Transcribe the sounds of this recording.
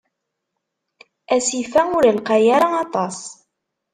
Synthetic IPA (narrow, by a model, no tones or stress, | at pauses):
æsifæʊɾəlqɑjaɾˤɑɑt̪ˤɑs